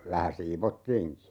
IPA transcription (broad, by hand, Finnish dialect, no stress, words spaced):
ʋæhæ siːʋotːiːŋki